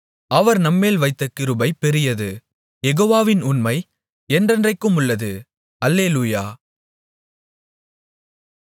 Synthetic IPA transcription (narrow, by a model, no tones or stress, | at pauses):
ʔɐʋɐɾnɐmːeːlʋɐɪt̪ːɐkːɪɾɯbɐɪpɛɾɪjɐðɯ | jɛɣoːʋaːʋɪnʊnmɐɪ | ɛndrɐndrɐɪkːɯmʊɭːɐðɯ | ɐlːeːluːjaː